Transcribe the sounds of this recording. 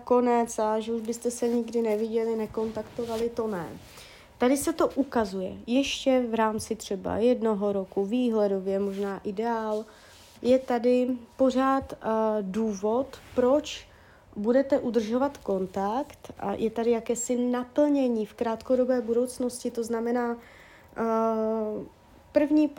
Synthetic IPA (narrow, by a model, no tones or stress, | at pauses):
ko̞nɛt͡saʒɛuʒbɪst̪ɛsɛɲɪɡdɪnɛvɪɟɛlɪnɛko̞nt̪akt̪o̞valɪt̪o̞nɛ̰ | t̪adɪsɛt̪o̞ʔukazujɛ̰jɛʃcɛvɾaːmt͡sɪt̪r̝̥ɛba̰jɛdno̞ɦo̞ɾokuviːɦlɛdo̞vjɛmoʒnaːʔɪdɛaːl | jɛt̪adɪpo̞r̝aːt̪duːvo̞t̪pɾo̞t͡ʃ | budɛt̪ɛʔud̪r̩ʒo̞vat̪ko̞nt̪akt̪jʔɛt̪adɪjakɛːsɪnapl̩ɲɛɲiːfkɾaːt̪ko̞do̞bɛːbuɾowt͡sno̞scɪt̪o̞znamɛnaː | pr̩vɲiː